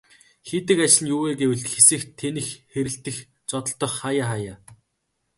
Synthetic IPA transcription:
xet̪ɘ̆kat͡ɕɮɘ̆njʊːweːɡewɘ̆ɮt̪xesɘ̆xt̪ʰːenɘ̆xːeɾɘ̆ɬt̪ɘ̆x | t͡sɔt̪ɞ̆ɬt̪ɞ̆χːajaːχajaː

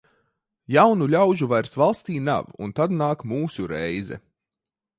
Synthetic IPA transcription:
jawnulʲawʒuvajɾsvalˠst̪iːna̰vṵnt̪ad̪naːkmuːsuɾɛjzɛ̰

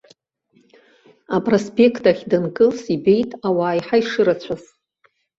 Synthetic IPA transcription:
apʼro̞spʼe̞kʰtʰʼaχʲdankʼɨlsibe̞jtʼawaːjħaiʂɨɾat͡ɕʷʰaz

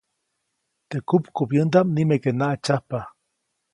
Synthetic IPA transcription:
t̪ekupkupjɨnd̪amnimekenaʔat͡ʃahpa

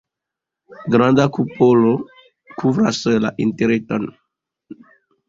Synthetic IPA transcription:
ɡɾand̪akupolo | kuvɾa̰sla̰ʔinteɾeton

